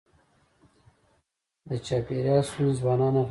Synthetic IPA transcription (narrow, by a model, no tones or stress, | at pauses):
d̪ət͡ʃɑpeɾjɑːsuzbɑːnɑːnaɦ